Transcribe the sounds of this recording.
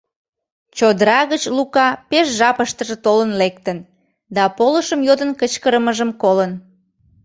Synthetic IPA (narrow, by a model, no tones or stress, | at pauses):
t͡ɕod̪ɾɑɣət͡ɕlukɑpeʃʒɑpəʃt̪əʒə̆t̪olənlek̚t̪ən | d̪ɑpoləʃəmjod̪ənkət͡ɕkəɾəməʒəmkolən